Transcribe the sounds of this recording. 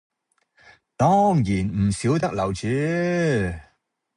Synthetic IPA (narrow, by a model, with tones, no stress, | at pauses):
t̪ɔː˥ŋjiː˨˩nm̩˨˩siː˨˥wt̪ɐ˥k̚lɐ˨˩wt͡syː˨˥